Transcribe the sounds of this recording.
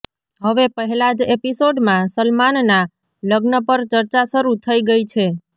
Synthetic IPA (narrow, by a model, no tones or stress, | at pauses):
ɦəʋepəɦɛlad͡ʒepisoɖmãsəlmanna | ləɡnəpəɾt͡ʃəɾt͡ʃaʃəɾut̪ʰəiɡəit͡ʃʰe